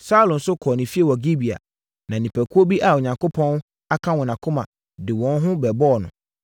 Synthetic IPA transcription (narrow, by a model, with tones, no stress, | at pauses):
sa˦lʊ̃˨n̩˨sʊ˦kʰɔ˨nɪ̃˨fi˦e˨wɔ˨ɡi˦bi˨a̰˨ | nã˨nĩ˨pʰæ˨kʰu˦o˦bi˦ʔa˨o˨ɲã˨ŋko˦pʰɔ̃˦n˦ | a˦kʰã˦wɔ̃˨nã˨kʰʊ˦mã̰˨ | dɪ˨wɔ̃˨n˦ɦʊ̃˦bɛ˨bɔ˦˨nʊ̰̃˨